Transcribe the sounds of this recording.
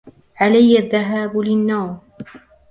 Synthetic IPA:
ʕalajːaðːaɦaːblɪnːɑːɾˤ

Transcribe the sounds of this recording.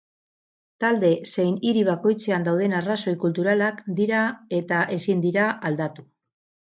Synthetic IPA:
t̪ald̪e̞se̞jniɾiβ̞ako̞jt͡se̞and̪awð̞e̞naraso̞jkult̪uɾalakd̪iɾae̞t̪aʔe̞sind̪iɾaald̪at̪u

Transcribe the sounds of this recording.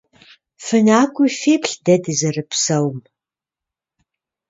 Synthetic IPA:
fɨnaːkʷʼʊfeːpɬdɐdɨzɐrɨpsɐwm

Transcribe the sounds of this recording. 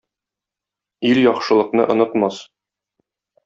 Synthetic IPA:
iljɒχʃɤ̆lˠɤ̆qnɤʔŏnɤ̆t̪mɑs

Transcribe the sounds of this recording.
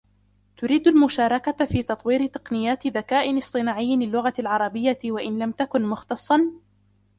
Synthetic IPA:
t̪ʊɾiːd̪almʊʃaːɾˤɑkafiːt̪ɑt̪ˤwiːɾɪt̪ɨ̥qnɪjːaːt̪ɪðakaːʔɪnɨsˤt̪ˤɨnaːʕɪjːɪlɪlːʊɣalʕɑɾˤɑbɪjːawaʔɪnlamt̪akʊnmʊxt̪ɑsˤːɑn

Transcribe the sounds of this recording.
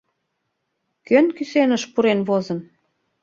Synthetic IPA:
kønkysenəʃpuɾenβozən

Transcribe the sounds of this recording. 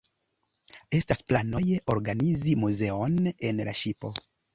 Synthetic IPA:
e̞stasplano̞jeʔo̞ɾɡanizimuze̞o̞ne̞nlaʃipo̞

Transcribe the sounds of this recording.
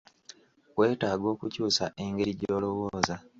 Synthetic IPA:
we̞ːtaːɡo̞ːkucuːsaʔe̞ŋɡe̞ɾiɟo̞ːlo̞wo̞ːza

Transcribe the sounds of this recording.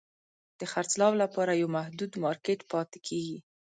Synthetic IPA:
d̪̥əxaɾt͡slɑwlapɑɾajawmahd̪ud̪mɑɾkeʈpɑt̪ɪ̥kʰeɡi

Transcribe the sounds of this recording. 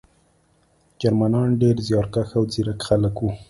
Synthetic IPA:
d͡ʒaɾmanɑnɖeɾzjɑɾkaxawd͡ziɾakxaləkwu

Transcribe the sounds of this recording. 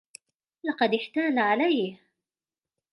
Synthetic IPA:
lɑqɑd̪ɪħt̪aːnaʕalajh

